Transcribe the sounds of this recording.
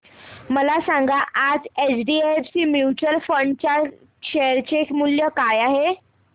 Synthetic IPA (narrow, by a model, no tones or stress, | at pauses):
məlasãŋɡaʔad͡zet͡sɖieefsiːmjut͡ɕəlfəɳɖt͡ɕja | kɕeɾt͡ɕekmuljəkajaɦe